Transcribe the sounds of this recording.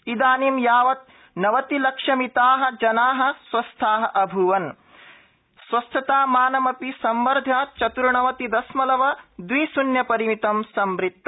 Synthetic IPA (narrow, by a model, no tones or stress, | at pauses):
id̪aːnimjaːʋɐt̪̚ | nɐʋɐt̪ilɐkʂɐmit̪aːɦɐ̆d͡ʒɐnaːɦɐ̆sʋɐst̪ʰaːɦɐʔɐbʱuʋɐn | sʋɐst̪ʰɐt̪aːmaːnɐmɐpisɐmʋɐɾd̪ʱat͡ʃɐt̪uɾɳɐʋɐt̪id̪ɐsmɐlɐʋɐd̪ʋiːsunjɐpɐɾimit̪ɐmsɐmɾit̪ːɐ